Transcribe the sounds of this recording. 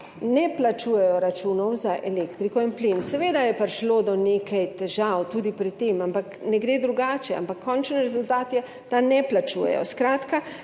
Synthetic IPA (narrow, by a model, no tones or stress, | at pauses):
nɛplat͡ʃuːjɛjɔɾat͡ʃuːnɔwzaʔɛleːkt̪ɾikɔinplinsɛʋeːd̪ajɛpaɾʃloːd̪ɔnekʰajt̪ɛʒawt̪uːd̪ipɾitt̪ːeːmampaknɛɡɾeːd̪ɾuɡaːt͡ʃɛa̰mpakʰːɔnt͡ʃnɾɛzult̪aːt̪jɛ | t̪anɛplat͡ʃuːjɛ̰jɔ̰skɾaːt̪ka